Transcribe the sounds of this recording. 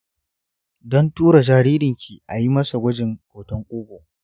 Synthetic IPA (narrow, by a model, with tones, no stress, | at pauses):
dɔ˦ntuː˦ɾa˨d͡ʒaː˨ɾiː˦ɾɪ˨ŋkʲi˨ʔa˨ji˦mɐ˦sa˨ɡʷɐ˦d͡ʒɪ˨ŋkʷoː˨tɔ˦ŋkʷʼuː˦ɡʷo˨